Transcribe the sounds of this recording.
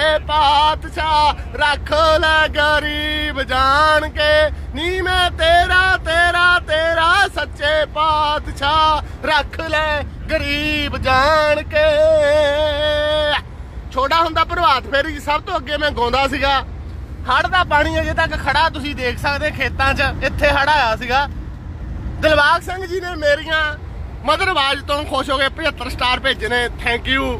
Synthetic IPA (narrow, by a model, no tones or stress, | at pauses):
eːpaːt̪ʃaː | ɾəkʰlɛːɡəɾiːbd͡ʒaːɳkeːniːmɛ̃ːt̪eːɾaːt̪eːɾaːt̪eːɾaːsətːʃeːpaːt̪ʃaː | ɾəkʰlɛːɡəɾiːbd͡ʒaːɳkeː | t͡ʃʰoːɽaːɦʊ̃nd̪aːpəɾəbaːt̪pʰeːɾiːsəb̚t̪õːəɡeːmɛ̃ːɡõːnd̪aːsiːɡaː | həɽd̪aːpaːɽ̃iːɛd͡ʒeːt̪əkkʰəɽaːt̪ʊsĩːd̪eːkʰsəkd̪eːkʰeːt̪ãːt͡ʃəɪt̪ʰːeːɦəɽaːjaːsiːɡaː | d̪əlbaːɡsɛ̃ŋɡd͡ʒiːneːmeːɾɪjãː | məd̪əɾbaːd͡ʒt̪õːkʰoːʃoːɡeːpət͡ʃət̪ːəɾsʈaːɾpeːd͡ʒnẽːt̪ʰɛ̃ːŋkjuː